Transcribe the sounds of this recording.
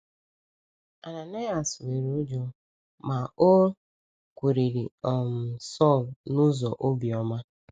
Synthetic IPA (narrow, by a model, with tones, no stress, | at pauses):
a˨na˨na˦a˨swe˨ɾo˦d͡ʒo˨ | ma˨o˦ | kʷe˨ɾi˨ɾi˨ɔ˨m̩˨sɔ˦˨lnʊ˦zɔ˨ʔo˦bi˨ɔ˦ma˦